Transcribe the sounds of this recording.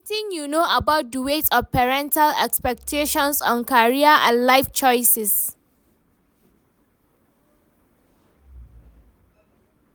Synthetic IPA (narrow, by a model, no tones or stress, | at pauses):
tɪ̃ŋjunoʔabaʊt̚dəwetɔvpɛɹɛ̃ntʰalɛ̰kspɛk̚tʰeʃɔ̃nsɔ̃nkaɹiaʔãnlaɪft͡ʃɔɪsɪs